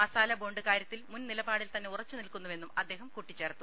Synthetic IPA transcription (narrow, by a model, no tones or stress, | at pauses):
mɐsaːlɐbo̞ːɳɖɨkaːɾjɐt̪ːilmunnilɐbaːɽilt̪ɐnːeurɐt͡ɕːunilkunːɐʋe̞nːumɐd̪ːe̞ːɦɐmkuʈːit͡ɕːɐɾɐt̪ːu